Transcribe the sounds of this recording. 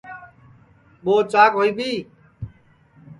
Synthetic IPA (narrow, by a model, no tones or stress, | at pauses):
ɓoːt͡ʃaːkɦoːiːɓiː